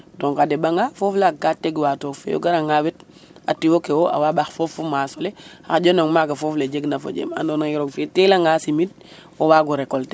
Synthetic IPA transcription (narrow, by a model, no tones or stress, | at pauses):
doŋkadebaŋɡafoflakateɡwatofḛjo̰ɡaɾaŋawit̚ | a̰tiwokewoa̰wabaxfofumasoleaxaɟonoŋmaɡafofleɟeɡnafo̰ɟḛma̰ndonaŋiɾoɡfetilaŋɡasimit̚ | owaɡuɾekolte